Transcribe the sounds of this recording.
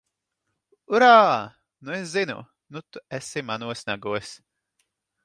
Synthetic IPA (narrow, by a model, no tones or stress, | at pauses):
uɾaː | nues̬zinṵ | nut̪uɛsimanuɔsnaɡuɔs